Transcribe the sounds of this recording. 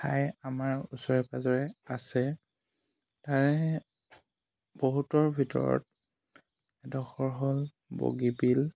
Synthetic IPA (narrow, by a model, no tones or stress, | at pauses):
tʰajamaɹusɔɹɛpazɔɹɛasɛ | taɹɛ | b̥oɦutɔɹbʱitɔ̰ɹɔ̰t̚ | ɛdɔxɔɹɦɔl | bo̰ɡipil